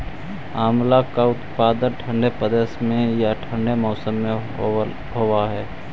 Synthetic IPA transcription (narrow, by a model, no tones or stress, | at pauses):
aːmlakaʊt̪paːd̪ənʈʰə̃ɳɖepəd̪eːsmẽjaʈʰə̃ɳɖemɔːsəmːẽ | ɦoːwaɦɛː